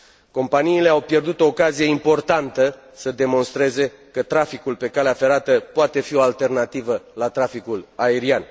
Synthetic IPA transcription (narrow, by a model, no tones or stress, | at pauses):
ko̞mpaniːle̞awpje̞rd̪ut̪o̞ːkazije̞impo̞rt̪ant̪ə | səd̪e̞mo̞nst̪ɾe̞ze̞ | kət̪ɾafikulpe̞kaleafe̞ɾat̪əpoat̪e̞fio̞alt̪e̞rnat̪ivəlat̪ɾafikulae̞ɾian